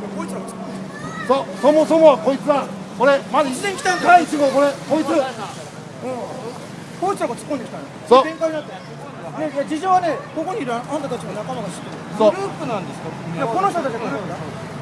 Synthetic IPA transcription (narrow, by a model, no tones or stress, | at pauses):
jakoit͡siɾaɡot͡sɨ̥kkːond̪e | sosomosomoko̞it͡sɨa | ko̞ɾemad̪aizẽŋkʲi̥t̪aaiit͡ɕiɡoko̞ɾekoit͡sɨ | ɯ̃ | ko̞it͡siɾaɡot͡sɨ̥kːond̪ekʲi̥t̪ãnsoẽŋkaiɲinat̪ːe | nejad͡ʑiʑoːβaneko̞ko̞ɲ̟iiɾɯ̟anat̪at̪at͡ɕimanakamaɡaɕi̥t̪ːeɾ | soɾɯːpɯ̟nãnd̪esɨ̥kajako̞noçt̪ot̪at͡ɕiɡaɾɯːpɯd̪a